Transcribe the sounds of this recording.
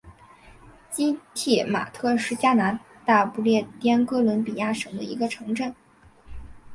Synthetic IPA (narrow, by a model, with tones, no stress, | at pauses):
t͡ɕi˥t̪ʰɛ˥˩ma̰˨˩t̪ʰɤ˥˧ʂɻ̩˥˩t͡ɕja˥na˧˥ | t̪a˥˧pu˥˧ljɛ˥˩t̪jɛ˥nkɤ˥lwə˧˥npi˨˩ja˥˩ʂɤ˨˩ŋd̪ə˦ḭ˧˥ɡə˧ʈ͡ʂʰɤ˧˥ŋʈ͡ʂə˥˩n